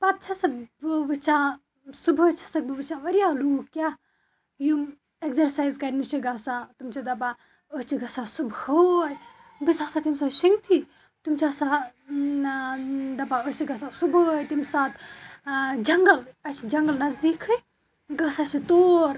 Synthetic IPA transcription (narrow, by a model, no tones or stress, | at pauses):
pɐp̚t͡ʃʰɐsɐbɨʋɨt͡ʃʰã | subot͡ʃʰɐ̥sɐk̚bɨʋɨt͡ʃãːʋɐɾijaːluːkkʲja | ju | ekzɐɾsaːjzkɐɾnit͡ʃiɡɐsãt̪umt͡ʃʰid̪ɐba | ot͡ʃʰiɡɐsãsubhoj | bisaːsaːt̪imsaʃuŋɡt̪ʰi | t̪umt͡ʃʰaːsa | d̪ɐbaot͡ʃʰiɡɐsãsubojt̪imsaːt̪ʰ | d͡ʒɐŋɡɐlɐt͡ʃʰid͡ʒɐŋɡəlnɐzd̪iːkʰɨ | ɡɐsãːt͡ʃʰit̪oːɾ